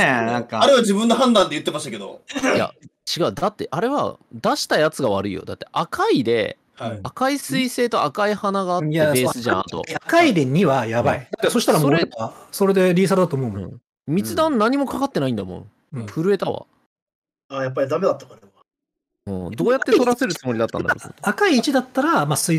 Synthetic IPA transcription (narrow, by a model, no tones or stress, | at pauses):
nãŋkaaɾeβad͡ʑibɯ̃nːoɦãnd̪ãnd̪e̞jɯ̟t̪ːemaɕit̪ake̞d̪o̰ja̰t͡ɕiɡaɯ̟d̪at̪ːe̞ʔaɾe̞βa̰d̪aɕi̥t̪ajat͡sɨɡaβ̞aɾɯ̟ḭjo̰d̪at̪ːe̞ʔakaid̪e̞̰ | akaisɨise̞ːt̪o̞akaihanaɡaːt̪ebeːsɨʑã̰t̪o̞̰akaid̪eɲ̟iβajabaid̪at̪ːeso̞ɕi̥t̪aɾaso̞ɾeaso̞ɾe̞d̪e̞ɾʲiːs̬aɾɯd̪at̪oːmoɯmɯ̟̰̃ | mʲit͡sɨd̪ãnnːaɲ̟imo̞kakat̪ːe̞naĩnd̪amõ̞̰ | ɸɯ̟ɾɯ̟e̞t̪aβa̰ | aːjap̬ːaɾʲid̪ame̞d̪at̪ːakaɾeβa | ɯ̃ːd̪o̞ːjat̪ːet̪o̞ɾase̞ɾɯ̟t͡sɨmo̞ɾʲid̪at̪ːã̰nd̪akɾoso̰t̪oakaiːt͡ɕid̪at̪ːaɾamasɨi